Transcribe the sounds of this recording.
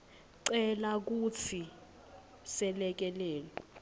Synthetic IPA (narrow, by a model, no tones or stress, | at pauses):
ǀɛlak̬ut͡sʰi | sɛlɛk̬ɛlɛːlɔ